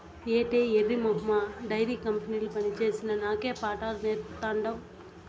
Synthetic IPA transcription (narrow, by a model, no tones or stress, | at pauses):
eːʈeːerːimɐɦmaɖɐjɾiːkɐmpɐniːlupɐnit͡ʃe̞ːsinɐnaːkeːpaːʈaːɾneːt̪ɐɳɖɐm